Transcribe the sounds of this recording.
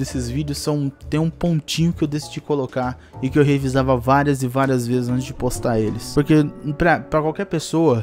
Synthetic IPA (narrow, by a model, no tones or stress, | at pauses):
d̪esɪzvid͡ʒɪʊsːɐ̃w̃t̪ẽj̃ũpõnt͡ʃĩɲʊkɪewd̪esid͡ʒikolokaɾ | ɪkɪewɦevizavɐvaɾiɐzɪvaɾiɐzvezɪzɐ̃nt͡ʃɪzd͡ʒɪpost̪aɾelɪspoɾkepɾɐpɾɐkwawkɛɾpesoɐ